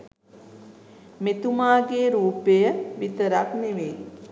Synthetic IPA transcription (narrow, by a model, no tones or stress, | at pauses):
met̪umaːɡeːɾuːpejəʋit̪əɾakneʋe